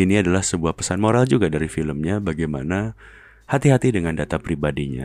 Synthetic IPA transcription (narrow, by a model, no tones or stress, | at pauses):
iniadalahsəbuahpə̥sanmoɾald͡ʒuɡadaɾifiləmɲabaɡajmana | hat̪iɦat̪idəŋandat̪apɾibadiɲa̰